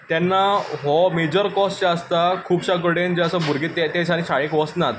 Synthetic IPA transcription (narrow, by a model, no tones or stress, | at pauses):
t̪jɛnːaɦɔmed͡ʑəɾkɔst͡ɕaəst̪akʰuːbɕakəɽẽnd͡ʑɛəsəbʱuɾɡet̪ːɛt̪ɛt͡ɕʰañĩɕaɭekʋɔsnat̪